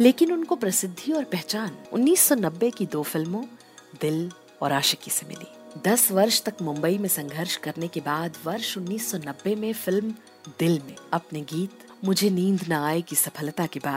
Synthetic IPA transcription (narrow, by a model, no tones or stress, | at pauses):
leːkɪnʊnkopɾɐsɪd̪ʱːiɔːɾpɛɦt͡ʃaːnʊ̰nːiːsːɔnɐbːekid̪oːfɪlmõ | d̪ɪl | ɔ̰ːɾaːʃəkisemɪ̰lḭːd̪ɐsʋɐɾʃt̪ɐkmʊ̃mbəimẽsɐ̃ŋɡʱəɾʃkɐɾnekebaːd̪ʋɐɾʃʊnːiːsːɔnɐbːemẽfɪlm | d̪ɪlmẽɐpneɡiːt̪ | mʊd͡ʒʱenĩːnd̪ʱnaaːekisɐpʰəlt̪akibaːd̪